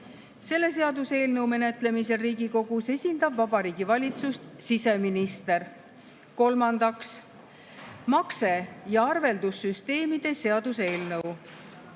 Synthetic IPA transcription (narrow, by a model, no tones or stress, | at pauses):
se̞lːe̞s̬e̞ɑd̪use̞ːlnɤwme̞ne̞t̪ˑle̞mise̞riːɡiko̞ɡ̥use̞sʲind̪ɑbvɑbɑɾiːɡ̥ivɑlʲit̪sust̪sise̞minist̪e̞r | ko̞lmɑnd̪ɑks | mɑkse̞jɑɑrve̞ld̪̥usːyst̪e̞ːmid̪̥e̞se̞ɑd̪use̞ːlnɤw